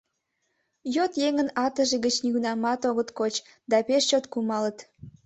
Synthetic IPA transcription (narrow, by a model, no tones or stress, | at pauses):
jot̪jeŋənɑt̪əʒeɣət͡ɕniɣunɑmɑt̪oɣət̪kot͡ɕ | d̪ɑpeʃt͡ɕot̪kumɑlət̪